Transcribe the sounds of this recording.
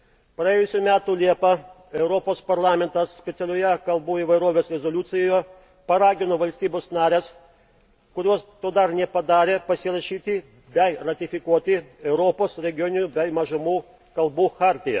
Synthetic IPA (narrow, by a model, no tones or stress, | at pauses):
pɾɐjeːjʊsʲuːmʲæːt̪ulʲiɛpɐ | ɛʊɾɔpoːspɐɾlˠɑːmʲɛnt̪ɐssʲpʲɛt̪ʲɛlʲoːjɛkɐlˠbuːiːʋɐɪɾoːʋʲeːsɾʲɛzɔlʲʊt̪sʲɪjoːjo | pɐɾɑːɡʲɪnoːʋɐlʲsʲt̪ʲiːbʲoːsnɑːɾʲes | kʊɾʲuɔst̪oːd̪ɐɾnʲɛpɐd̪ɑːɾʲeːpɐsʲɪɾɐʃʲiːt̪ʲɪ | bʲɛɪɾɐt̪ʲɪfʲɪkuɔt̪ʲɪɛʊɾɔːpoːsɾʲɛɡʲɪjɔnʲɪnʲubʲɛɪmɐʒɐmuː | kɐlˠbuːxɑːɾʲt̪ʲɪjɛ̰